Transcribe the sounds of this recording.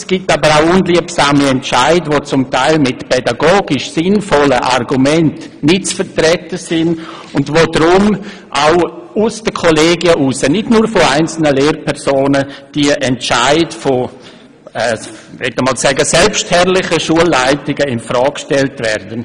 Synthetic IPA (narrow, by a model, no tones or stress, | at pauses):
sɡ̥itabəɾaʊʊnliəpsaːmiɛntt͡ʃaɪdʋot͡sʊmtaɪlmɪtpɛdaɡoːɡɪʃsɪnfɔləʔa̰rɡumɛntnɪt̚t͡sfəɾtɾɛtəsɪn | ʊndʋoːdɾʊm | ʔaʊʊsd̥əkʰoleːɡiəʔusənɪdnuːɾfoaɪnt͡sl̩nəleːɾpʰɛɾsoːnəd̥iʔɛnt͡ʃaɪdfo | ɛːʋɛtəmɔːlsɛɡəsɛlpʃthɛrlɪχəʃuəlːaɪtɪɡəɪnfɾɔːkʃtɛltvɛ̰rd̥ən